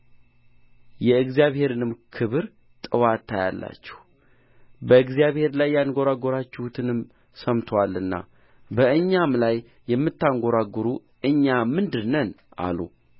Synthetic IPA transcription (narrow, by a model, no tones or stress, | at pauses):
jɛɨɡzijaβhe̞ɾɨnɨmkʰɨβɨɾ | t̪ʼɨwat̪ʰːaja̰lːa̰t͡ʃːɛ̥h | bəɨɡzijaβhe̞ɾlajːanɡo̞ɾaɡo̞ɾat͡ʃːɛhut̪ʰɨnɨm | səmt̪ʰwalːɨnːa̰ | bəɨɲːamlajː | ɛmːɨt̪ːaŋɡo̞ɾaɡoɾu | ʔɨɲːamɨnd̪ɨɾnənʔa̰lṵ